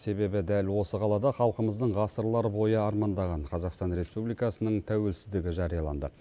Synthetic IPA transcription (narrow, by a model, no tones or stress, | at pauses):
se̞be̞bɪd̪ælwo̞səqʰɑlˠɑd̪ɑχɑlˠqəməzd̪əɴʁɑsəɾlˠɑɾəbo̞jəɑɾmɑnd̪ɑʁɑɴqʰɑzɑqst̪ɑnɾe̞spublijkɑsənəɴt̪ʰæwe̞lsɪzd̪ɪɡʲɪʒɑɾijɑlˠɑ̰nd̪ə